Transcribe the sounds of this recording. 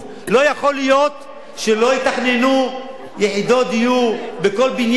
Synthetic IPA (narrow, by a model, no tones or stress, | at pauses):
lo̞jaχo̞lijo̞t̪ | ʃelo̞it̪aχnenu | jeʕid̪o̞d̪ijubeko̞lbinj